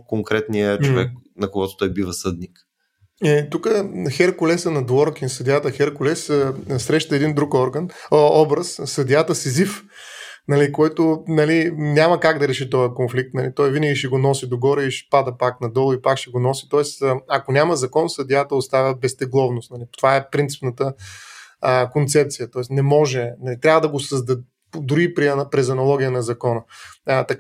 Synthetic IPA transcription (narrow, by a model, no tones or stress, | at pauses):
koŋkɾɛt̪niət͡ʃovɛ̰k̚nɐkoɡɔt̪o̥t̪ɔjbivəsɤd̪nik | ɛt̪ukəxɛɾkʊlɛsənɐd̪wɔɾkinsɐd̪jat̪əxɛɾkʊlɛsəsɾɛʃt̪əɛd̪ind̪ɾukɔɾɡənəɔbɾəssɐd̪jat̪əsizif | nɐlikoɛt̪onɐlinʲamɐkaɡd̪ɐɾɛʃit̪ɔjɐkonflik̚t̪nɐlit̪ɔjvinəɡʲiʃɛɡonɔsid̪oɡɔɾɛiʃɛ̥pad̪əpaknɐd̪ɔlˠʊipakʃɛɡonɔsi̥t̪ɔɛsəɐkonʲamɐzɐkɔnsɐd̪iat̪əost̪avʲəbɛst̪ɛɡlˠɔvnʊst̪nɐlit̪ovaɛpɾint̪i̥pnət̪ə | kont̪sɛp̚t̪sijət̪ɔɛsnɛmɔʒɛnɐlit̪ɾʲavɐəd̪ɐɡosəzd̪ɐ | d̪uɾiːpɾiɐnpɾɛzɐnɐlˠɔɡʲijənɐzɐkɔnət̪ɐk